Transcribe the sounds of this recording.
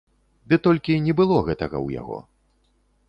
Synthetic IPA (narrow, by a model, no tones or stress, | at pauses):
d̪ɨt̪ɔlʲkʲinʲɛbɨlˠɔɣɛt̪ɐɣɐ̰wja̰ɣɔ̰